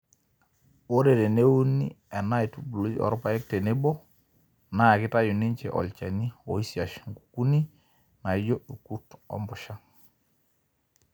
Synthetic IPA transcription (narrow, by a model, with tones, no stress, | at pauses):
wo˦ɾe˨ɾe˨ne˦wu˦nḭ˦ | ɛ˨na˦i˨tu˦bu˨lu˦d͡ʒɔ̰˨ɾɔ˦pa˨˦ɛ˦k̚te˨ne˦bɔ˦ | na˦˨ki˦ta˦ju˨ni˦ɲt͡ʃɛ̰˨ʔɔ̰˨lt͡ʃa˨ni˦o˨i˦si˨a˨ʃŋɡu̥˨ku˦ni˦ | na˨˦d͡ʒo˦u˨ku˦tɔ̰˦mbʊ˨ʃa˦